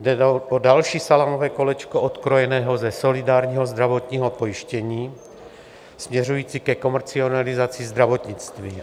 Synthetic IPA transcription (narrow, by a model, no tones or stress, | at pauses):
dɛodalʃiːsalamovɛːko̞lɛt͡ʃkoʔot̪kɾojɛnɛːɦozɛso̞lidaːɾɲiːɦozd̪ɾavo̞t̪ɲiːɦopo̞jɪʃcɛɲiː | smɲɛrujiːt͡sikɛkomɛɾt͡sionalizat͡sizd̪ɾavo̞t̪ɲɪt͡st̪viː